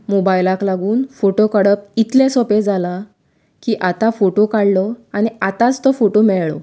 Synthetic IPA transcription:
mobajlãklaɡuːnfoʈokəɽəp̚it̪lẽsɔped͡zala | kiːʔat̪afoʈokaɽlɔañiat̪ãt͡st̪ɔfoʈomɛɭɭɔ

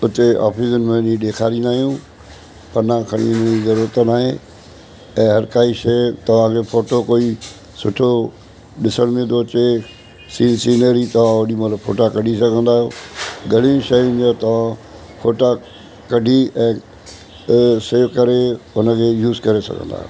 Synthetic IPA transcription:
ʊt̪ea̰ːfʰiːsənmẽnĩɗeːkʰaːɾinaːɦijũ | pɐɾnãkʰɐɽ̃ḭʊnəd͡ʑizɐɾuːɾət̪naːɦẽ | ɛ̃ːɦɐɾkaːiʃeːt̪ɐʋ̤ãkʰefoːʈokoːi | sʊʈʰo | ɗɪsəɽ̃mẽd̪ot͡ɕe | siːnsiːnəɾit̪ɐʋ̤ãoɗimɐt̪ləbfʰo̰ːʈakɐɖʱisɐɡʱə̃nd̪aːɦjoɡɐɽ̤ĩʃɐʊ̃d͡ʑat̪ɐʋ̤ã | fʰoːʈa | kɐɖʱiɛ̃ː | seːʋkɐɾeʊnəkʰeːjuːzkɐɾesɐ̰ɡʱə̰̃nd̪a̰ːɦe

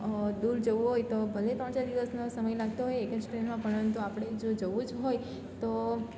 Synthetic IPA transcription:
d̪uɾd͡ʒəʋũɦojt̪obʱəlet̪ɾə̃ɳt͡ʃad̪iʋəsnosəməjlaɡ̚t̪oɦojeekəd͡ʒsʈɾenmãpəɳəənt̪uapɽ̃ed͡ʒod͡ʒəʋũd͡ʒɦoj | t̪o

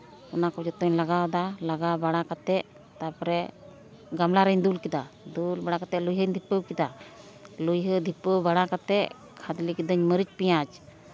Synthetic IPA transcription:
ɔnakɔd͡ʒɔt̪ɔɲlaɡad̪alaɡabaɽakat̪ɛʔ | t̪apɔɾɛ | ɡamlaɾənd̪ulkid̪ad̪ulbaɽakat̪ɛlujɦəɲd̪ʱipːəkid̪a | lujɦəd̪ʱipːəbaɽakat̪ɛʔ | kʰad̪likid̪əɲməɾit͡ʃpijat͡ʃ

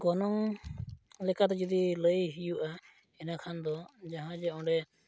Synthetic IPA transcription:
ɡɔnɔŋ | lɛkat̪ɛd͡ʒɔd̪iləjɦijuʔa | ɛnakʰand̪ɔd͡ʒaɦãd͡ʒɛɔ̃ɖɛ

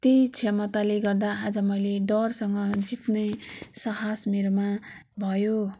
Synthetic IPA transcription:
t̪ejt͡sʰemʌt̪aleɡʌrd̪aad͡zʌmʌjleɖʌrsʌŋɡʌd͡zit̪nʌjsʌɦasmirma | bʱʌjo

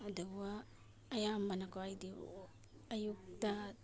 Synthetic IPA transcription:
adawaː | jambanakoajdḭ | ajuk̚ta

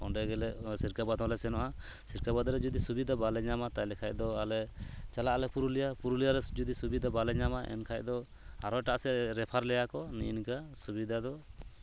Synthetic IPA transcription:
ɔ̰ɖɛɡɛlɛsiɾkabad̪ɔ̃lɛsɛnɔʔa | siɾkabad̪ɾɛd͡ʒɔd̪isubid̪abalɛɲamat̪ajlɛkʰacd̪ɔalɛt͡ʃalaʔlɛpuɾulijapuɾulijaɾɛd͡ʒud̪isubid̪abalɛɲamaʔɛ̰nkʰac̚d̪ɔ | aɾɔjʈaʔsɛɾɛpʰaɾlɛjakɔninkasubid̪ʱad̪ɔ

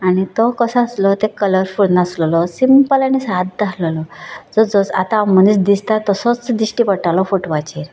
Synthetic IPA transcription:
añit̪ɔkɔsaəslɔt̪ɛkələɾfuɽnaslɔlɔsimpəlaɽ̃isat̪̚d̪aslɔlɔd͡zɔd͡zɔsa̰t̪ãmənisd̪ist̪at̪ɔsɔt͡sd̪isʈipəʈalɔfoʈʋat͡ɕiɾ

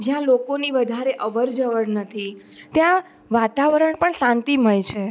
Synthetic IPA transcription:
d͡ʒjãlokoniʋəd̪ʱaɾeʔəʋəɾd͡ʒəʋəɽnət̪ʰit̪jã | ʋat̪aʋəɾəɳpəɳsãnt̪im̤əjt͡ʃʰe

